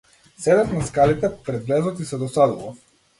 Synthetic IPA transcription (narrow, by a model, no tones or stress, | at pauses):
sɛd̪ɛt̪naskalit̪ɛpɾɛd̪vlɛzɔt̪isɛd̪ɔsad̪ulˠɔ